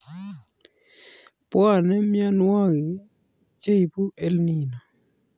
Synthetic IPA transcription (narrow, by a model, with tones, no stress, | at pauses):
pwa˦˨nɛ˦mja˦nwa˦ɡi˨˦ | t͡ʃe˦i˨pu˦e˦lni˨na˨